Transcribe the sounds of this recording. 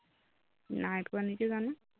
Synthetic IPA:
najtanikɛzana

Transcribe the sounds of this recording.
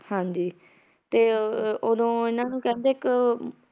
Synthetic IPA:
hãːɲd͡ʒiː | t̪eːod̪õːɪnãːnũːkɛ̃ːnd̪eːɪk

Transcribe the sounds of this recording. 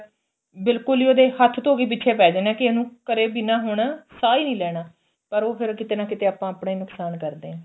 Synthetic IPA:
bɪlkʊlioːd̪eːhət̪ʰt̪oːɡiːp̬ɪtːʃʰeːpɛːd͡ʒeːnɛ̃ːkɪənũːkəɾeːbinãːɦoːɳaːsaːiːnĩːlɛːɽaː | pəɾoːpʰɪɾkɪt̪eːnãːkɪt̪eːaːpãːapɳaːiːnʊksaːnkəɾd̪eːɛ̃ː

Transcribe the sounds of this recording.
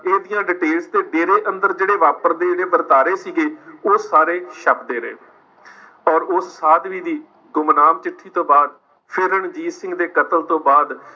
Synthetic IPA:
eːd̪ijãːɖɪʈeːlst̪eːɖeːɾeːʔənd̪əɾd͡ʒeːɽeːʋaːpəɾd̪eːɽeːʋəɾt̪aːɾeːsiːɡeːoːsaːɾeːʃəpd̪eːɾḛː | ɔːɾʊsːaːd̪ʋiːd̪iː | ɡʊmnaːmt͡ʃɪʈʰːiːt̪õːbaːd̪ | pʰɪɾəɳd͡ʒiːsɪ̃ŋɡd̪eːkət̪əlt̪õːbaːd̪

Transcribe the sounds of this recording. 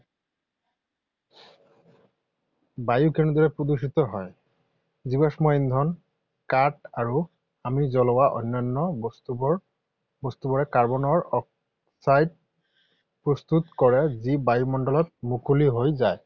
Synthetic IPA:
bajukɛnud̪ɔɹɛpɹod̪usit̪ɔɦɔj | zibasmɔjind̪ʱɔn | kaʈaɹu | amizɔlɔwaʔo̰nːanːɔbstubɔ | bɔst̪ubɔɹɛkaɹbɔnɔɹɔ | sajd̚ | pɹɔst̪ut̪kɔɹɛzibajumɔnɖɔlɔt̚mukʰuliɦojzaj

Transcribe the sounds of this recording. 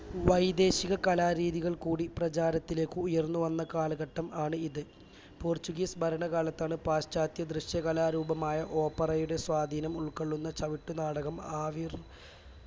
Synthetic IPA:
ʋɐjd̪e̞ːɕiɣɐkɐlaːɾiːðiɣɐɭkuːɽiprɐt͡ɕaːɾɐt̪ːile̞ːkːɨːjɐrnːuʋɐnːɐkaːlɨɣɐʈːɐmaːɳɨiðɨ | poːrt͡ɕuɣiːsbʱɐɾɐɳɐɣaːlɐt̪ːaːɳɨpaːɕt͡ɕaːt̪jɐd̪rɨɕjɐkɐlaːɾuːbɐmaːjɐʔo̞ːpːɐrɐjuɽe̞swaːd̪ʱiːnɐmuɭkɐɭːunːɐt͡ɕɐʋiʈːunaːɽɐɣɐmaːʋir

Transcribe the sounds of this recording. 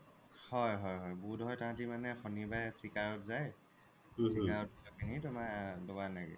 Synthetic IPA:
hɔjɦɔjɦɔjbudʱɦɔjtaɦãtimanɛxɔnibajsikaɹɔtzaj | sikaɹɔt̚itɔkʰinitʊmadɔɡanaɡɛ̰

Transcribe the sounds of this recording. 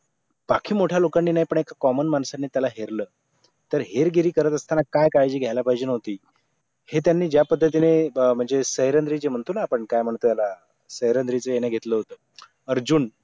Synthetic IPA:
b̥akʰiːmoʈʰjalokanːiːnajpəɳekʰakɔmənmansanːeːt̪jalaɦeɾləː | t̪əɾɦeɾɡiɾiːkəɾət̪əst̪ʰanakajkajd͡ʑiːɡʱjajlapaɦjd͡ʑenəɦt̪iː | het̪̬janːiːd͡ʑjapəd̪ʱːət̪inem̤əɳd͡zesəɦjɾənd̪ɾiːd͡zem̤əɳt̪onaːpəɳkajm̤əɳt̪əjala | səɦjɾənd̪ɾit͡səjenjaɡʱet̪ləɦot̪əː | əɾd͡ʑuːn

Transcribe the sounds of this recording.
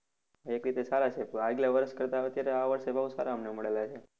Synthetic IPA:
ekɾit̪esaɾat͡ʃʰeaɡlaʋəɾəʃkəɾt̪aːʋeət̪jaɾeaʋəɾʃebʱəɦusaɾaəmneməɭelat͡ʃʰe

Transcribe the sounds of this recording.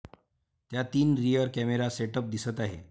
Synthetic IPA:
t̪jat̪iːnɾijəɾkɛmeɾaseʈəp̚d̪isət̪aɦḛ

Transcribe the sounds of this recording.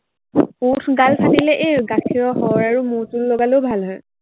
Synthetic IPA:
utʰɡalpʰatilɛʔeɡakʰiɹɔɦɔɹaɹumuɹtullɔɡalobʱalɦɔj

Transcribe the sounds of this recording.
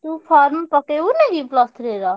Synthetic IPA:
t̪upʰaːɾmpəkeunẽɡiplast̪ʰɾeːɾaː

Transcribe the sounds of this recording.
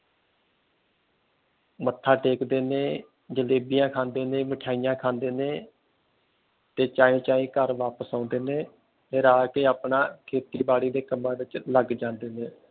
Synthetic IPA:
mət̪ʰːaːʈeːkd̪eːnẽː | d͡ʒəleːbijãːkʰãːnd̪eːnẽːməʈʰaːijãːkʰaːnd̪eːneː | t̪eːt͡ʃaːẽːt͡ʃaːĩːkəɾʋaːpəsãːnd̪eːneː | t̪eːɾaːkeːaːpɳaːkʰeːt̪iːbaːɽiːd̪eːkəmãːɾɪt͡ʃləɡd͡ʒãːnd̪eːneː

